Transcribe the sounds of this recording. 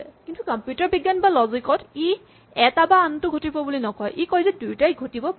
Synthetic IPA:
kintukɔmpjutaɹbiɡːanbalɔzikɔti | ɛtabaːntʊɡʱotibɔbulinɔkɔjʔikɔjzɛdujtajɡʱotibɔp

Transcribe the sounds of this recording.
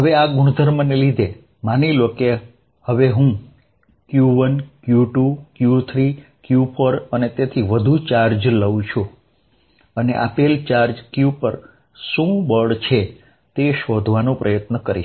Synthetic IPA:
ɦəʋeaɡuɽ̃əd̪ʱəɾmənelid̪ʱe | maniloke | həʋeɦũ | kjuʋənkjuʈukjut̪ʰɾikjupʰoɾənet̪et̪ʰiʋəd̪ʱut͡ʃaɾd͡ʒləʋũt͡ʃʰu | ənḛʔa̰pelt͡ʃaɾd͡ʒkjupəɾ | sũbəɖt͡ʃʰe | t̪eʃod̪ʱʋanõpɾʔəjət̪nəkəɾḭ

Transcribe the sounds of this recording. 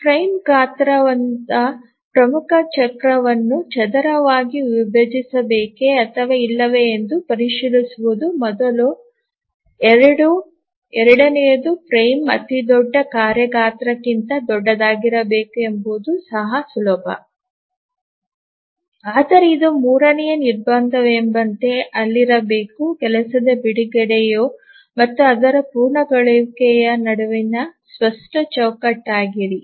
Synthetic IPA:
pɾɐjmɡaːt̪ɾɐʋɐnt̪ɐ | pɾɐmukɐt͡ʃɐkɾɐʋɐnːut͡ʃɐd̪ɐɾɐʋaːɡiʋibɐd͡ʒisɐbeːkeɐt̪ʰɐʋeilːɐʋe̞ːnd̪upɐɾiʃilisuʋud̪umɔd̪ɐlu | ɛɾɐɽu | ɛɾɐɽɐneːd̪upɾɐjmɐ̰t̪id̪ɔɖːɐkaːɾjɐɡaːt̪ɾɐkːint̪ɐd̪ɔɖːɐd̪aːɡiɾɐbeːkuembuud̪usɐɦɐsulɔːbɐ̰ | aːd̪ɐɾeid̪umuːɾɐnɛjɐniɾbɐnd̪ɐʋembɐnt̪e̞ɐlːiɾɐbeːkukɛlɐsɐd̪ɐbiɽiɡɐɽɛjoː | mɐt̪ːuɐd̪ɐɾɐpuːɾɳɐɡɐɭekɛjɐnɐɽɐʋinɐsʋɐsʈɐt͡ʃɐwkɐʈːaːɡiɾi

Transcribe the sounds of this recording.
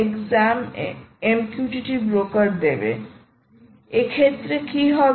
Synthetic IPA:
ekzamemkjuʈiʈibɾokaɾd̪ebḛ | ekʰet̪ːɾekiɦɔb

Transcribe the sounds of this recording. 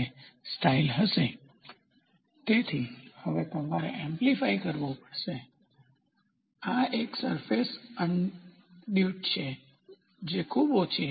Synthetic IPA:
sʈailɦəʃe | t̪et̪ʰihəʋet̪əmʋaɾḛʔɛ̃mplifaikəɾʋopəɽʃe | aeksəɾfesən | ɖjuʈ̚t͡ʃʰe | d͡ʒekʰubot͡ʃʰe

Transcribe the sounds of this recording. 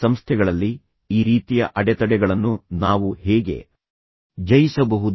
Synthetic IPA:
ɐmst̪ʰɛɡɐɭɐlːi | iːɾiːt̪ijɐ̰ʔɐɽɛt̪ɐɽɛɡɐɭɐnːunaːʋuhɛːɡe̞̰ | d͡ʒɐjisɐbɐɦud̪

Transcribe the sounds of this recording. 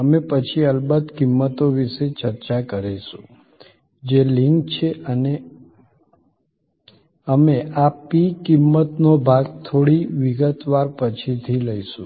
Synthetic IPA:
əmepət͡ʃʰiəlbəd̪kimːət̪oʋiʃet͡ʃəɾt͡ʃakəɾeʃũ | d͡ʒelɪŋk̚t͡ʃʰeʔəne | əmeapikɪmːət̪nobʱaɡt̪ʰoɽiʋɪɡət̪ʋaɾpət͡ʃʰit̪ʰiləiʃũ

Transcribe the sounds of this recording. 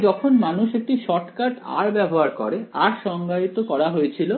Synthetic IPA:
d͡ʑɔkʰonmanuʃek̚ʈiʃɔʈkaʈa̰ɾbɛboɦaɾkɔ̰ɾeaɾʃɔŋɡait̪okɔɾaɦojet͡ɕʰilo

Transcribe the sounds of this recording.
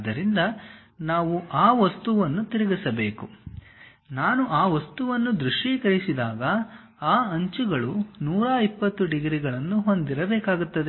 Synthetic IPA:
d̪ɐɾind̪ɐ | naːʋuʔaːʋɐst̪uʋɐnːut̪iɾiɡisɐbe̞ːku | naːnuʔaːʋɐst̪uʋɐnːud̪ɾuʂʈikɐɾisid̪aːɡɐ | aːɐɲt͡ʃuɡɐɭunuːɾaːipːɐt̪ːuɖiɡɾiɡɐɭɐnːuɦo̞nd̪iɾɐbɛːkaːɡut̪ːɐd̪e

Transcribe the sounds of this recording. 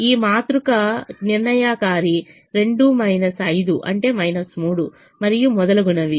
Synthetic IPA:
iːmaːt̪ɾukɐniɾɳɐjaːkaːɾi | ɾe̞ɳɖumɐjnɐsɐjd̪uʔɐ̰ɳʈe̞ːmɐjnɐsmuːɽu | mɐɾijumɔd̪ɐlɐɡuɳɐʋi

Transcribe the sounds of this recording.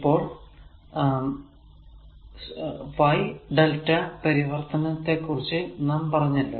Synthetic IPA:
ipːo̞ːɭ | ʋɐjɖɐltːɐpɐɾiʋɐrt̪ɐnɐt̪ːe̞kːurit͡ɕːɨnaːmpɐrɐɲːɐlːo̰

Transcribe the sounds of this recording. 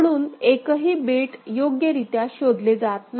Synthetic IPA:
ɽuːnekəɦiːbeʈjoɡjəɾit̪jaɕod̪led͡zat̪̚n

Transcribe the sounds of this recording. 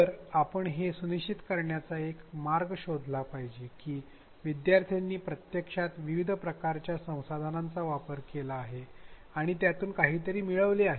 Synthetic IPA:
əɾapəɳɦesunit͡ɕit̪kəɾɳjat͡saekmaɾɡɕod̪ʱlapaɦd͡ʑekiː | ʋid̪jaɾt̪ʰijanːiːpɾət̪jəkʂat̪ʋiʋid̪ʱpɾəkaɾt͡ɕjasə̃w̃sad̪ʱanãnt͡saʋapəɾkelaːɦe | aɽ̃it̪jat̪uːnkaɦiːt̪əɾiːmiɭəʋleaɦe

